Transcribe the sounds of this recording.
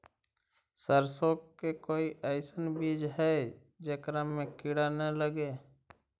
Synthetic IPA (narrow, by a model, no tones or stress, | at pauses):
səɾsoːkkekoːiʔəɪsənbid͡ʒɦɛ | d͡ʒekɾamẽkɪɽanələɡe